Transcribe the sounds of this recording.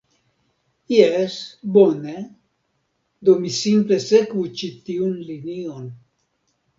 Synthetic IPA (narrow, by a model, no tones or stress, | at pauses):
jesbone | d̪omisimplesekbut͡ʃit̪iunlinion